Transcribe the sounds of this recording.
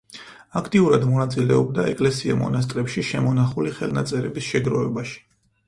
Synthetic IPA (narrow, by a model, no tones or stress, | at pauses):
akʰt̪ʼiuɾad̪mɔnat̪sʼilɛɔb̚d̪aɛkʼlɛsiamɔ̰nas̬t̪ʼɾɛpʃiʃɛmɔnaχuliχɛlnat̪sʼɛɾɛbisʃɛɡɾɔvɛbaʃi̥